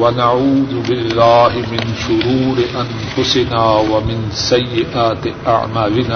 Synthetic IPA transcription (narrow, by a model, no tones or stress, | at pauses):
wɐnaʕuːðʊbɪlːaːɦɪmɪnʃʊɾuːɾɪʔɐn | fʊsɪnaːwɐmɪnsɐjːɪʔaːt̪ɪʔa̰ʕmaːlɪnaː